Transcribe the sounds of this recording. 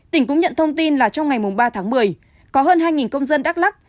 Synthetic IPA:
t̪ï˧˩ŋ̟kʊ̰˧˥ŋ͡mɲə̰˧˨nt̪ʰə˧wŋ͡mt̪i˧nlaː˨˩t͡ɕɔ˧wŋ͡mŋa˨˩jmʊ˨˩ŋ͡mɓaː˧t̪ʰaː˨˦ŋmɨ˨˩əj | kɔ˨˦ɦəː˧nɦaː˧jŋi˨˩nkə˧wŋ͡mzə˧nɗaː˦˥la˦˥k̚

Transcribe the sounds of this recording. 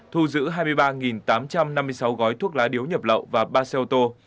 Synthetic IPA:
t̪ʰu˧zɨ̰˧˥ɦaː˧jmɨ˧əjɓaː˧ŋi˨˩nt̪aː˨˦mt͡ɕa˧mna˧mːɨ˧əjsa˨˦wɣɔ˨˦jt̪ʰu˦˥ək̚laː˨˦ɗi˨˦wɲə˨˩p̚lə̰˧˨wvaː˨˩ɓaː˧sɛ˧t̪o˧

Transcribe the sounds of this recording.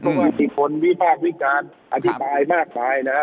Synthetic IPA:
ɔ˧waː˧˩si˨˩pʰo˨˧˦nwi˦˥pʰaː˥˩k̚wi˦˥kaː˧n | ʔa˧t̪ʰi˦baː˧jmaː˥˩k̚maː˧jna˦˥

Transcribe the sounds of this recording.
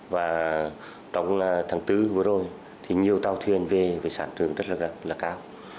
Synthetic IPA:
vaː˨˩ | t͡ɕɔ˧˩wŋ͡mt̪ʰaː˨˦ŋt̪ɨ˧˦vɨ˨˦əzo˨˩j | t̪ʰi˨˩ɲi˨˩əwt̪aː˧wt̪ʰwi˨˩ənve˨˩ve˨˩saː˧˩nt͡ɕɨ˨˩əŋzə˦˥t̚laː˨˧˩aː˨˩laː˨˩kaː˧w

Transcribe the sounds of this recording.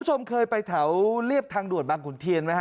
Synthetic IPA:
t͡ɕʰo˧mkʰɤː˧jpa˧jt̪ʰa˩˦wli˥˩əp̚t̪ʰaː˧ŋdu˨˩ət̪̚baː˧ŋkʰu˨˩˦nt̪ʰi˧ənma˦˥j

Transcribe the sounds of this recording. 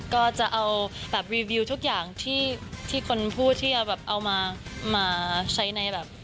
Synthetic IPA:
kɔː˥˩t͡ɕa˨˩ʔa˧wbɛː˨˩p̚ɾiː˧wiː˧t̪ʰu˦˥k̚jaː˨˩ŋt̪ʰiː˥˩t̪ʰiː˥˩kʰo˧npʰuː˥˩t̪ʰːiː˥˩t͡ɕa˨˩bɛː˨˩p̚ʔa˧wmaː˧maː˧t͡ɕʰa˦˥jna˧jbɛː˨˩p̚

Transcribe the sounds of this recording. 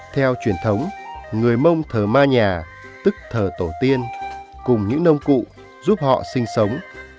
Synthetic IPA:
t̪ʰɛ˧wt͡ɕwi˧˩ənt̪ʰə˨˦wŋ͡mŋɨ˨˩əjmə˧wŋ͡mt̪ʰəː˨˩maː˧ɲaː˨˩ | t̪ɨ˦˥k̚t̪ʰəː˨˩t̪o˧˩t̪i˧ənkʊ˨˩ŋ͡mɲɨ̰˧˥ŋnə˧wŋ͡mkṵ˧˨ | zu˦˥p̚hɔ̰˧˨sï˧ŋ̟sə˨˦wŋ͡m

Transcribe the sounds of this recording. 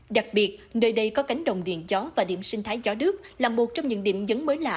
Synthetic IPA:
ɗa˨˩k̚ɓi˨˩ət̚nəː˧jɗə˧jkɔ˨˦ka˨˦jŋ̟ɗə̰˧˨wŋ͡mɗḭ˧˨ənzɔ˨˦vaː˨˩ɗḭ˧˨əmsï˧ŋ̟t̪ʰaː˨˦jzɔ˨˦nɨ˦˥ək̚laː˨˩mːu˨˩t̚t͡ɕɔ˧wŋ͡mɲɨ̰˧˥ŋɗḭ˧˨əmzə˨˦nməː˨˦jla̰ː˧˨

